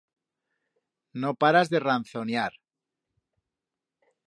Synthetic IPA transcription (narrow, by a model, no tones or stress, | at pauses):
nopaɾazðe̞ranθo̞njaɾ